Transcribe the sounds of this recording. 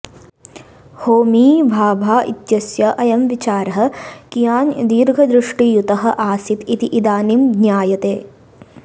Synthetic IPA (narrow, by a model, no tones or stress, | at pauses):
hoːmiːbʱaːbʱaːʔḭt̪jɐsjɐʔɐjɐmʋit͡ʃaːɾɐɦɐ̆kijaːnd̪iːɾɡʱɐd̪ɾɪʂʈijut̪ɐɦɐ̆ʔaːsit̪it̪iʔid̪aːnimd̪naːjɐt̪eː